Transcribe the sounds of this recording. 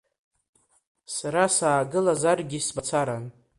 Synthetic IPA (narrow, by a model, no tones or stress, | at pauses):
saɾasaːɡɨlazarɡʲisbat͡sʰaɾan